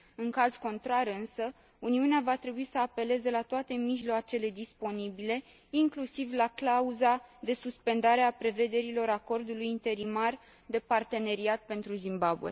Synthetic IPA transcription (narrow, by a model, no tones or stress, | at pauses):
ɨŋkazko̞nt̪ɾaɾɨnsə | uniuneavat̪ɾe̞buisəape̞le̞zelat̪oat̪e̞miʒlat͡ʃe̞le̞d̪ispo̞nibile̞ | iŋklusivlaklauzad̪e̞suspe̞nd̪aɾe̞apɾe̞ve̞d̪e̞ɾilo̞ɾako̞rd̪ulujint̪e̞ɾimar | d̪e̞part̪e̞ne̞ɾiat̪̚pe̞nt̪ɾuzimbabṵe̞̰